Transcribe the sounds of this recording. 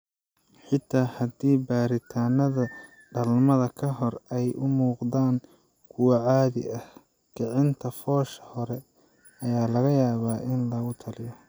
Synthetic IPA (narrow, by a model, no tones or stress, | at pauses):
ħɪt̪ʰːaːhɐd̪iːbaːɾɪt̪ʰaːnɐðɐ | ɖɐlmɐðɐkʰɐɦɔrɛjʊmuːqd̪aːŋ | kʰʊwɑʕaːðɪ̰ʔɐh | ɡ̥ɐʕɪnt̪ʰɐfɔːʃɐ̥hɔɾɛ | ɐjaːlɐɣɐjaːβaːʔɪnlɐɣʊt̪ʰɐlɪjɔ